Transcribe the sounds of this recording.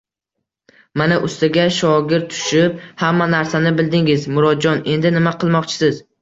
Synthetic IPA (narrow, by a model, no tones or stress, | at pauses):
manaʔʊst̪ɪɡʲaʃɒɡʲɪɾt̪ːʰʊ̥ʃɪp̚hamːanaɾsanɪbɪld̪ɪŋɪzmʊɾɒd̪̚d͡ʒɒne̞nd̪ɪnɪmaqʰɨlˠmɒqt͡ʃʰɪ̥sɪz̥